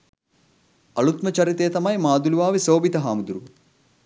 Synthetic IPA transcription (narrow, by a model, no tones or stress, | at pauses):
ɐɭut̪mɐt͡ʃɐɾit̪eːt̪ɐmɐjmaːd̪uluʋaːʋisoːbit̪ɐɦaːmud̪uɾu